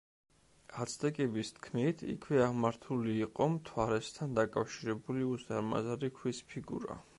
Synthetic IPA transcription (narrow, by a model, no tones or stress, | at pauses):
at̪sʰd̪ɛkʼɛbist̪ʰkʰmit̪ʰḭkʰwɛaʁmaɾt̪ʰuliːqʼɔmt̪ʰwaɾɛst̪ʰand̪akʼafʃiɾɛbuliuzaɾma̰zaɾikʰwispʰiɡṵɾa̰